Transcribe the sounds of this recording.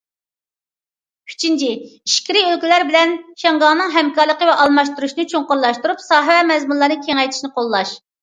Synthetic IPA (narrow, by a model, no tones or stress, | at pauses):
pʰy̥t͡ʃʰint͡ʃʰiiʃkʲiɾiølkʲilæɾbɪlɛnʃɛŋɡɑŋnɨŋɦɛmkɑɾlˠəqəvɛʔɑlˠmɑʃt̪uɾuʃinɨt͡ʃʰoŋqʊɾlˠɑʃt̪uɾupsɑːɦɨwɛmɛzmunlˠɑɾnɨkʲʰeŋɛjt̪ʰɪ̥ʃnɨqʰolˠːɑʃ